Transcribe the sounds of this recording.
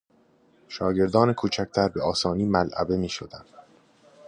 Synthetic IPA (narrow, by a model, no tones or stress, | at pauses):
ʃɒːɟe̞ɾd̪ɒːnekʰuːt͡ʃʰæc̚ʰt̪ʰæɾbeɒːsɒːniːmælʔæ̰be̞miːʃod̪ænd̪̥